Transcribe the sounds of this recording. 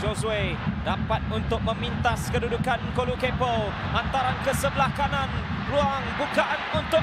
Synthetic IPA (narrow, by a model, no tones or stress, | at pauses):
d͡ʒosuedapat̪̚unt̪ʊk̚mə̃mĩnt̪askədudukankolukepəl | ʔant̪aɾankəsəbəlahkanãn | ruaŋbukaʔanunt̪ʊ